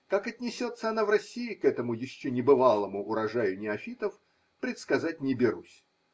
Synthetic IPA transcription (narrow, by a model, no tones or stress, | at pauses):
kakɐt̪ʲnʲɪsʲo̞t̪sːəɐnavrɐsʲːiɪkɛt̪əmʊjɪɕːonʲɪbɨvalˠəmʊʔʊɾɐʐajʊnʲɪɐfʲit̪əf | pɾʲɪt̪skɐzat̚ʲnʲɪbʲɪɾusʲ